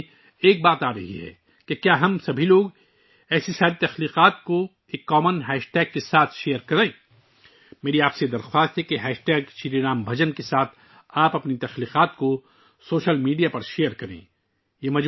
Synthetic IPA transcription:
eːk̚baːt̪aːɾɐɦḭɦɛ̰ː | kekjaːɦɐmsɐbʱiloːɡ | ɛːsisaːɾit̪ɐxliːqaːt̪̚ko | eːkːɔːmənɦɛːʃʈɛːɡ̚kesaːt̪ʰʃejəɾkɐɾẽː | meːɾiaːpsed̪ɐɾxwaːst̪ɦɛkeɦɛːʃʈɛːɡʃiɾiɾaːmbʱɐd͡ʒənkesaːt̪ʰ | aːpɐpnit̪ɐxliːqaːt̪ko | soːʃəlmiːɖijapɐɾʃeːəɾkɐɾḛ̃ː | jemɐd͡ʒ

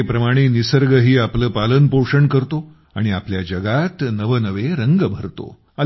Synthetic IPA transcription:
epɾəmaɽ̃enisəɾɡəɦiːapləːpalənpoʂəɳkəɾt̪o | a̰ɽ̃iapljad͡ʑəɡat̪nəʋənəʋeɾəŋɡəbʱəɾt̪o̰ | ə

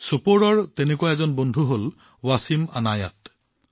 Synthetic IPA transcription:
sɔpoɹɔɹtɛnekuwaɛzɔnbɔndʱuɦol | wasima̰naja̰t

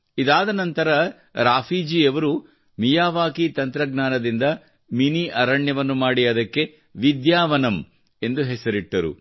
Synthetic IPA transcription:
id̪aːd̪ɐnɐnt̪ɐɾɐ | ɾaːfʰiːd͡ʒiːɐʋɐɾu | mijaːʋaːkit̪ɐnt̪ɾɐɡnaːnɐd̪ind̪ɐ | miniʔɐɾɐɳjɐʋɐnːumaːɽiɐd̪ɐkːe̞ | ʋid̪jaːʋɐnɐm | e̞nd̪uɦɛsɐɾiʈːɐɾṵ

